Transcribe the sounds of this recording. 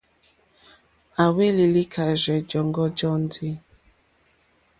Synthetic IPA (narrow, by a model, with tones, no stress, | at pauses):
a˨we˦li˨li˦kʰa˨ʒɛ˨d͡ʒɔ˨ŋɡɔ˦d͡ʒɔ˦n˦di˦